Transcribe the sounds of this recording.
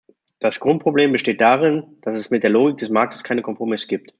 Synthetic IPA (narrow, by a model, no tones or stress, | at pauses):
d̥asɡ̥ʁʊnt̚pʁ̥obleːmbəʃteːt̚d̥aːʁɪnd̥asɛsmɪt̚d̥eːɐloːɡɪk̚d̥ɛsmaɐk̚tə̥skʰaɪnəkʰɔmpʁ̥omɪsɡ̥iːp̚t